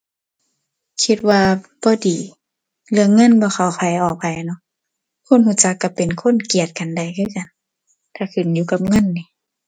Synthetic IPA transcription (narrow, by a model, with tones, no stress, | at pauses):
kʰi˧t̪̚waː˧b̥ɔː˧˦diː˨˦ | lɯ˧əŋɤ˧˥˨nbɔː˧˦xa˧˩wkʰa˨˩jʔɔː˨˩k̚pa˨jnɔ˧˦ʔ | kʰo˧˥˨nhuː˧˩˨t͡ɕa˧˦kːa˧˩pe˨nkʰo˧˥˨nki˨˩ət̪̚ka˨nda˨jkʰɯː˧˨ka˨n | t̪ʰaː˧˩kʰɯ˨˩˨njuː˧˦ka˧˦p̚ŋɤ˧˥˨nːiː˧˦